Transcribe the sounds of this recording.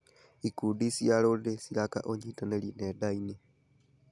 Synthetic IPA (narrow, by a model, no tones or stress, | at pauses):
ikudisialodesilaka̰ʔoɲitanelinedaine